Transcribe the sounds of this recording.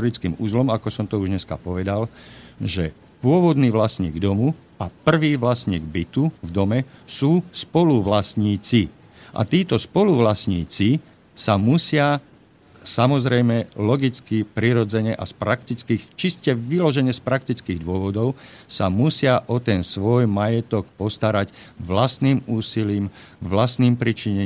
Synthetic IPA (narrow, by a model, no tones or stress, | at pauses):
ɾit͡skiːmṵːzlɔmakɔsɔmt̪ɔuʒɲɛska̰pɔʋɛd̪alʒɛ | pʊɔʋɔd̪niːʋlasɲḭːɡd̪ɔmu | apr̩ʋiːʋlasɲḭːɡbit̪uvd̪ɔmɛsuːspɔluʋlasɲiːt͡si | ʔa̰t̪iːt̪ɔspɔluʋlasɲiːt͡si | samusɪa | samɔzɾɛjmɛlɔɡit͡skipɾiɾɔd͡zɛɲɛʔa̰spɾakt̪it͡skixt͡ʃiscɛʋilɔʒɛɲɛspɾak̚t̪it͡skiːɣd̪ʊɔʋɔd̪ɔʊsamusɪaʔɔt̪ɛnsʋɔjmajɛt̪ɔk̚pɔst̪aɾacʋlast̪niːmuːsiliːm | ʋlast̪niːmpɾit͡ʃiɲɛ